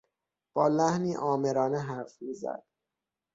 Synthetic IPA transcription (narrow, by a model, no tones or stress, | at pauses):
b̥ɒːlæhniːʔɒːmeɾɒːneɦæɾfmiːzæ̰d̪̥